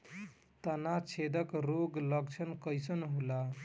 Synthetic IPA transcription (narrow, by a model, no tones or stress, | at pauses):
t̪ənat͡ʃʰed̪əkɾoɡləɡt͡ʃʰʌnkəjsənɦula